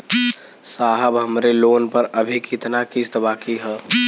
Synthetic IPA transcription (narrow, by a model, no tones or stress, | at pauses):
saːɦəbɦəmɾeloːnpəɾəbʱikɪt̪nakist̪baːkiɦɛː